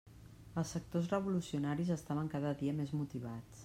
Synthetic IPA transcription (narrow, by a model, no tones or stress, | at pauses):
əlˠsək̚t̪ozrəβ̞ulusiunaɾizəst̪aβ̞əŋkaðəðiəmezmut̪iβ̞at͡s